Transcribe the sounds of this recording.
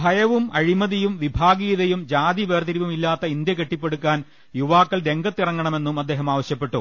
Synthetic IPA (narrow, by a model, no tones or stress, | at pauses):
bʱɐjɐʋumɐɻimɐðijumʋibʱaːɡiːðɐjumd͡ʑaːd̪iʋeːrt̪iɾiʋumilːaːt̪ːɐind̪jɐke̞ʈːipːe̞ɽukːaːn | juʋaːkːɐlɾe̞ŋɡɐt̪ːirɐŋːɐɳɐme̞nːumɐd̪ːe̞ːɦɐmaːʋɐɕjɐpːe̞ʈːṵ